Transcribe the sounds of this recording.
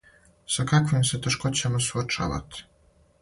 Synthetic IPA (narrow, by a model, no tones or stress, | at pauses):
sakakʋimset̪eʃkot͡ɕamasuot͡ʃa̰ʋa̰t̪i̥